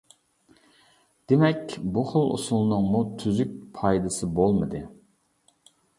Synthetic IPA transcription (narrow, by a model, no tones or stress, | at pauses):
d̪̥emɛkʲbuχəlˠṵsulˠnɨŋmut̪ʰyzyk̚ʲpʰɑjd̪ɨsɨbolˠmɨd̪ɨ